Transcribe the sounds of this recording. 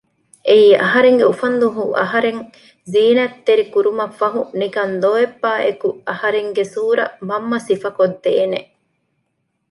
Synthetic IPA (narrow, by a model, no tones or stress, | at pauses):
ʔeiːʔɐ̰ɦɐɾeŋɡeufɐnd̪uɦuʔɐ̰ɦɐɾeŋ | ziːnɐt̪ːeɾikuɾumɐfːɐɦuniɡɐnd̪oːebːaːʔḛkuɐhɐɾeŋɡesuːɾɐ̰mɐmːɐsifɐkod̪ːeːne